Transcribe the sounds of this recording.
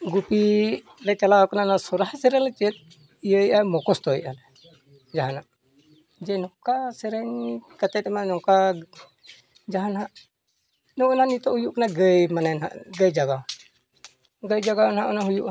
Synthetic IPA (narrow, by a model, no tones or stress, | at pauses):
ɡupi | lɛt͡ʃalawaknanasɔɾaɦsɛɾɛlɛt͡ʃɛt̪̚ | ijəjamɔkɔst̪ɔjalɛ | d͡ʒaɦanaʔ | d͡ʒɛnɔkasɛɾɛɲkət̪ɛt̪manɔka | d͡ʒaɦanɦaʔ | nɔʔnanit̪ɔhujuʔknaɡəjmananɦa̰ʔɡəjd͡ʒaɡa | ɡəjd͡ʒaɡanɦaʔɔnaɦujuʔ